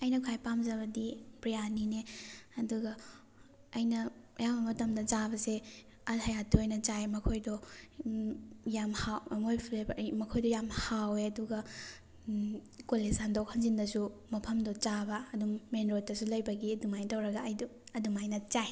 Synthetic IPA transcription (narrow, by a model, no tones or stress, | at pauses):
ɐjnɐkʰajpamzɐbɐdipɾijanineɐduɡɐː | jnɐ | jabɐmɐtɐmdɐt͡ʃabɐse | ɐhɐjatʰːuɐjnɐt͡ʃajmɐkʰojdɔ | jamhawɐmojpʰlebʔmɐkʰojdɔjamhaweɐduɡɐ | kolesandok̚hɐnzindɐsumɐpʰɐmdɔt͡ʃabɐːdumːenɾotːɐsulɐjbɐɡiɐdumajtɐwɾɐɡɐjdɐdumajnɐt͡ʃaj